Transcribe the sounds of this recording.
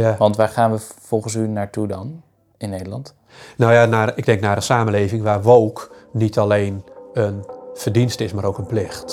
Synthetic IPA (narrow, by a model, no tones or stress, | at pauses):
jaʋɑntʋaːɹχaːnʋəfɔlˠχənsynaːɹtudɔn | ɪnːeːdəlɑnt | nojanaɪɡ̚dɛŋknaːɾənsaːmənleːvɪŋʋaːrʋoːknitʰalejnənfərdinstɪsmaːɾowkənplɪxt